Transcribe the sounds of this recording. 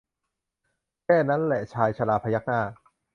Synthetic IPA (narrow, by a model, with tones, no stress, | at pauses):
kɛː˥˩na˦˥nlɛ˨˩t͡ɕʰaː˧jt͡ɕʰa˧laː˧pʰa˧ja˦˥k̚naː˥˩